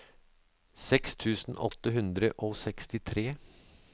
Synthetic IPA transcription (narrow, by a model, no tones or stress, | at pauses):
sɛkst̪ʰʉːsn̩ʔɔt̪ːəɦʉnd̪ɾə̰ʔoːsɛkst̪ɪt̪ʰɾeː